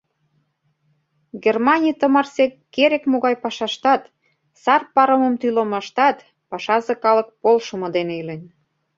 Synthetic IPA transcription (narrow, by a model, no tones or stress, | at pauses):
ɡermɑnʲit̪ə̆mɑrsekkːeɾekmoɣɑjpɑʃɑʃt̪ɑt̪ | sɑrpɑɾə̆mə̆mt̪ylomɑʃt̪ɑt̪ | pɑʃɑzĕkɑlɤ̆k̚polʃə̆mŏd̪eneylenʲ